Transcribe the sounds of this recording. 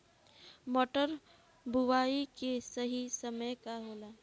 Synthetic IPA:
moːʈəɾ | buʋaːikesəɦisɐməjkaɦoːlaː

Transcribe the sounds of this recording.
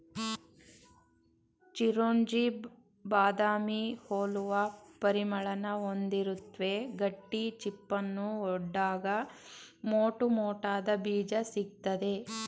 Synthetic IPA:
t͡ʃiɾoːɲd͡ʒi | baːd̪aːmihoːluʋɐpɐɾimɐɭɐnɐond̪iɾut̪ːʋe̞ɡɐʈːit͡ʃipːɐnːuɔɖːaːɡɐ | moːʈumoːʈaːd̪ɐbiːd͡ʒɐsiɡ̚t̪ɐd̪e̞

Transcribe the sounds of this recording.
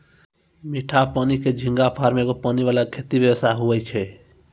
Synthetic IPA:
miʈʰapaniked͡ʒʱĩŋɡapʰaɾmeɡopaniʋalakʰet̪ibjəʋəst̪ʰaɦuət͡ʃʰɛ

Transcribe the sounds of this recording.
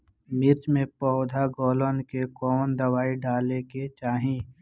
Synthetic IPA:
mɪɾt͡ʃmẽpɔːd̪ʱaɡɔːlənkekɔːnd̪əwaːiɖaːleket͡ʃaːɦĩ

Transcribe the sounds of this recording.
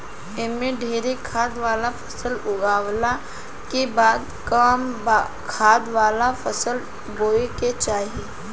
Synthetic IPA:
emẽɖʱeːɾekʰaːd̪ʋaːlapʰə̥səlʊɡaːwla | kebaːd̪kam | kʰaːd̪ʋaːlapʰəsəl | boːeket͡ʃaːɦie

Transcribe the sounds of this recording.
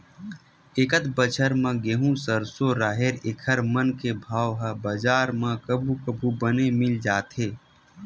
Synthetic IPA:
ekət̪bət͡ʃʰəɾmə̃ɡeɦũsəɾsoɾaːɦeɾekʰəɾmənkebʱaːwɦəbəd͡ʒaːɾmãkəbʱukəbʱubənemɪld͡ʒaːt̪ɦeː

